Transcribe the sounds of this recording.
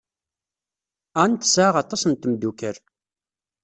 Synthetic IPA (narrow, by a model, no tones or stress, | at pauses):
ænt̪ə̥sʕaʁɑt̪ˤɑsnt̪md̪ukəɾ